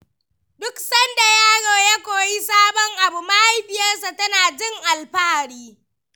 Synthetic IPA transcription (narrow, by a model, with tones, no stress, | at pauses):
dʊ˦ksɐ˦nda˨jaː˦ɽoː˨ja˦kʷoː˨ji˦saː˦bɔ˨ŋʔa˨bu˨ma˦ha˦jɸɪ˨jɐ˦rsa˨tɐ˦naː˨d͡ʒɪ˦ŋʔa˨lɸaː˦˨ɽiː˦